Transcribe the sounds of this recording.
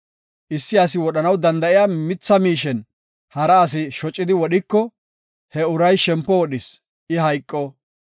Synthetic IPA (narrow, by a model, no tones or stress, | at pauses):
ʔɪsːɪɐsɪwɔɗɐnɐwd̪ɐnd̪ɐʔɪjamɪt͡sːɐmiːʃɛn | hɐɾɐːs̬ɪʃɔt͡ʃʼːɪd̪ɪwɔɗɪkːɔ | hɛʊɾɐjʃɛmpːɔwɔɗɪs | ʔɪɦɐjkʼːɔ